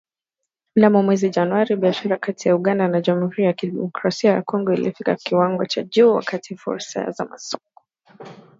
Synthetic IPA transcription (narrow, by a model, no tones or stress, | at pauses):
ndamɔmwɛzid͡ʒanwaɾiɓiaʃaɾakatijauɠandanad͡ʒam̩uhuɾijakidɛmɔkɾasiaja̰kɔŋɡɔilḭfika̰kiwaŋɡɔt͡ʃaʄuːwa̰katʰifṵɾsa̰za̰masɔkɔ̥